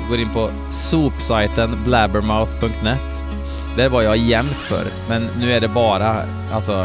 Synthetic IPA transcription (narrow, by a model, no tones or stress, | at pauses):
ɡoːɾɪnpʰɔ | suːpsaɪt̪ənblæbəɾmaʊθpʰɵŋk̚t̪nɛt̪ː | d̪̥æɾvajɑjɛmt̪fœ̰ɾ | mɛnːʉ̟ːæɖɛbɑːɾa | ʔalsɔ